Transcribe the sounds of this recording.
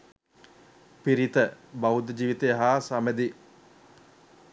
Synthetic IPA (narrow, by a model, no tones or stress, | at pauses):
piɾit̪əbaud̪d͡ʒiːʋit̪eɦaːsaməd̪i